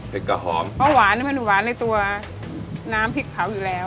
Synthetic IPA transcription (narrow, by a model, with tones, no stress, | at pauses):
pʰe˨˦˩ka˧ɦɔː˩˦mpʰɔː˧˥˩waː˩˦nːi˧˥˩ma˧nduː˨˩waː˩˦nːa˧jt̪u˧ɐ | naː˦˥mpʰi˦˥t̪̚pʰa˩˦wjuː˨˩lɛː˦˥w